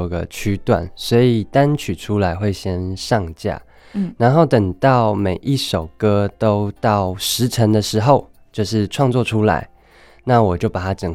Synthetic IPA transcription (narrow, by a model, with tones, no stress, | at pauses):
ɡə̰˨t͡ɕʰy˧˥t̪wa̰˨˩˦nswɔ˧˥i˨˩t̪a˦nt͡ɕʰy˨˩ʈ͡ʂʰu˥la˧˥ɪxwe˥˩ɪɕjɛ˥nʂɑ˥˧ŋt͡ɕja̰˥˩ | na˧˦nxo˥˩ʊt̪ə˨˩ŋt̪ɑ˥˩ʊme˨˩ɪʔi˥˩ʂo˨˩ʊkɤ˦˥t̪o˥ʊt̪ɑ˥˩ʊʂɻ̩˧˥ʈ͡ʂʰə˧˥ŋd̪ə˨ʂɻ̩˧˦xo˥˧ʊ | t͡ɕjo˥˧ʊʂɻ̩˥˧ʈ͡ʂʰwɑ˥˧ŋt͡swɔ˥˨˩ʈ͡ʂʰu˥la̰˧˥ɪ | na˥˨wɔ˨˩t͡ɕjo˥˩ʊpa˨˩t̪ʰa˥ʈ͡ʂə˨˩ŋ